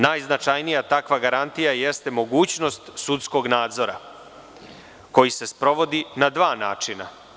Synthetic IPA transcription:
naːjznat͡ʃajnijat̪akʋaɡaɾant̪ijaje̞st̪e̞mo̞ɡuːt͡ɕno̞st̪sut̪sko̞ɡnaːd̪zo̞ɾa̰ | ko̞jise̞spɾo̞ʋo̞d̪inad̪ʋaːnaːt͡ʃina̰

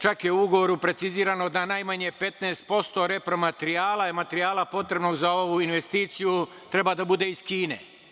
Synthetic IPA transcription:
t͡ʃakje̞uuɡo̞ʋo̞ɾupɾe̞t̪siziːɾano̞d̪anajmaɲe̞pe̞t̪naːst̪̚po̞st̪o̞ɾe̞pɾo̞mat̪ɾiaːlamat̪ɾiaːlapo̞t̪ɾe̞bno̞ɡzao̞ʋuinʋe̞st̪iːt̪siju | t̪ɾe̞bad̪abud̪e̞iz̥kiːne̞̰

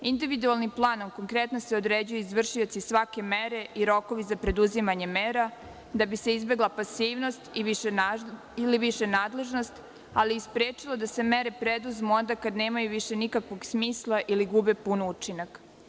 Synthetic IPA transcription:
ind̪iʋid̪ualnimplˠaːno̞mko̞ŋkɾet̪no̞se̞o̞d̪ɾeːd͡ʑujuizʋr̩ʃijot̪sisʋake̞meɾe̞ʔiɾo̞ko̞ʋizapɾe̞d̪uzimaɲe̞meːɾa | d̪abise̞izbe̞ɡlˠapasiːʋno̞st̪iʋiʃe | iliʋiʃe̞naːd̪le̞ʒno̞st̪ | aliːspɾeːt͡ʃilˠod̪ase̞meɾe̞pɾed̪uzmuo̞nd̪akad̪neːmajuʋiʃe̞nikakʋo̞ɡsmiːslˠaʔiliɡubepunut͡ʃinak

